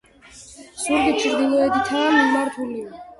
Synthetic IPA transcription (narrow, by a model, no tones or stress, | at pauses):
suɾɡit̪t͡ʃʰiɾd̪inɔɛd̪it̪ʰaamimaɾt̪ʰulia